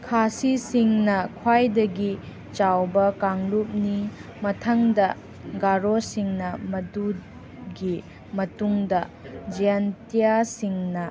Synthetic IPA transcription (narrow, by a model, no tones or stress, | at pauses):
kʰasisiŋnɐkʰwajdɐɡi | t͡ʃawbɐkaŋlup̚nimɐtʰɐŋdɐ | ɡaɾosiŋnɐmɐdud | ɡi | mɐtuŋdɐ | d͡ʒijantijasiŋnɐ